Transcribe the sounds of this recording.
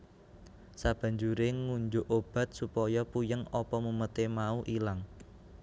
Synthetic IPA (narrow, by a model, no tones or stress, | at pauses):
sab̥ä̤ɲd͡ʒuɾeŋuɲd͡ʒʊʔob̥a̤t̪̚supɔjɔpujəŋɔpɔmumət̪emauʔilaŋ